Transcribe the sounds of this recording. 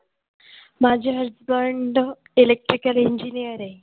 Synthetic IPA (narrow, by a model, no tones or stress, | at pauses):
mad͡ʑeɦeɾd͡zbəɾɳɖ | elek̚ʈɾikəliɲd͡ʑinijəɾe